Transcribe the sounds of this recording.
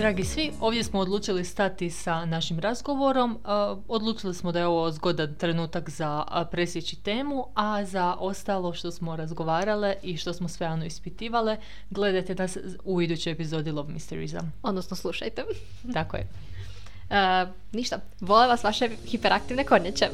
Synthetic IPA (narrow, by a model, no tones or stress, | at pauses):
d̪ɾaːɡisʋio̞ːʋdje̞smoːd̪lˠuːt͡ʃilist̪at̪isanaʃimɾazɡo̞ʋo̞ɾo̞m | od̪lˠuːt͡ʃilismod̪ajeo̞ʋo̞zɡod̪ant̪ɾe̞nuːt̪akzapɾesjet͡ɕit̪e̞ːmuazaʔo̞st̪alˠo̞ʃt̪o̞smo̞ɾazɡo̞ʋaːɾaleʔiʃt̪o̞smosʋejaːʋno̞ispit̪iːʋale | ɡle̞d̪ajt̪e̞nas | uid̪ut͡ɕo̞jepizod̪ilˠo̞bmist̪eɾḭza̰od̪nosnoslˠuʃajt̪e | t̪ako̰jḛ | ə | niʃt̪a | ʋoleʋasʋaʃexipeɾak̚t̪iʋnekoɲet͡ɕe